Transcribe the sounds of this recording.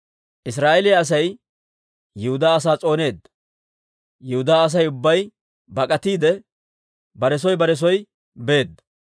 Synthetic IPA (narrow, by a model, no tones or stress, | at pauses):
ʔɪsɾaːʔɛlɪjɐɐs̬ɐj | jʊhʊd̪aːɐs̬aːt͡sʼo̞ːne̞ːd̪ːɐ̥ | jʊhʊd̪aːɐs̬ɐjʊbːɐj | bɐkʼɐt̪iːd̪ɛ | bɐɾɛs̬ɔjbɐɾɛs̬ɔj | be̞ːd̪ːɐ̥